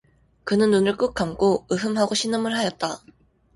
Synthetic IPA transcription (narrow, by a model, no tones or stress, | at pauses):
kɯnɯnːunɯɭk͈ɯk̚k͈amk͈oɯɦɯmɦaɡoɕʰinɯmɯɭɦajʌt̚t͈a